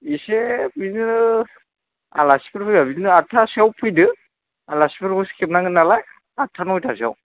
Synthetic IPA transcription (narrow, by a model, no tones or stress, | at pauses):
isebin | a̰lasi̥pʰɯɾpʰujbabinnɯatʰːasiawpʰujdɯ | alasipɯɾpʰɔskʰep̚naŋɡɯnalaj | atʰːanɔjtʰasia̰w